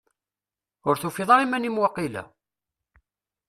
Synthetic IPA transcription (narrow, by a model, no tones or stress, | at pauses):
ʊɾθufiðˤɑɾimænimwɑqːilæ̰